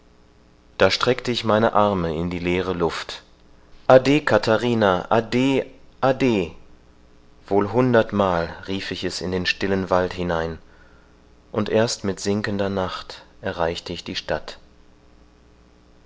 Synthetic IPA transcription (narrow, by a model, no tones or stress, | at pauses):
d̥aːʃtʁ̥ɛktəɪçmaɪnəʔaɐməɪndiːleːʁ̞əlʊft | ʔadeːkʰatʰaʁiːnaʔadeːʔadeː | v̥oːlɦʊndɐtmaːlʁiːfɪçɛsɪ̰ndeːnʃtɪlənvalthɪnaɪn | ʔʊntʔeːɐstmɪtz̥ɪŋkəndɐnaχtʔɛɐʁaɪçtəɪçd̥iːʃtat